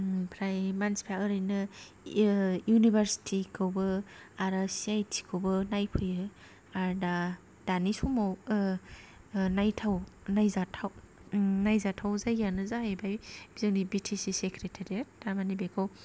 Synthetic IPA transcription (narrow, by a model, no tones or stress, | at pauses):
pʰɾajmanspʰaɯɾɯjnɯ | junibaɾsi̥tʰikʰɯwbɯaɾasiajtʰi̥kʰɯwbɯnajpʰɯjɯ | aɾda | d̥anisumaw | najtʰawnajzatʰaw | najzatʰawzajɡjanɯzaɦajbajb̥izɯŋnibitʰisisekʰɾetʰaɾiet̚damanibekʰaw